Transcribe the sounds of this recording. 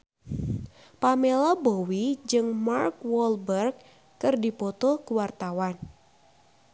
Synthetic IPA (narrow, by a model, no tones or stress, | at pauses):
pamelabowid͡ʒɨŋmarkwɔlbərɡː | ɨrdipɔt̪ɔkuwart̪awan